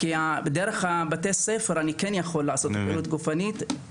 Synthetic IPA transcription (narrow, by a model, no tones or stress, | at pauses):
kiabed̪eɾeχabat̪esefeɾanikenjaχo̞lːaaso̞t̪piɾut̪ɡufanit̪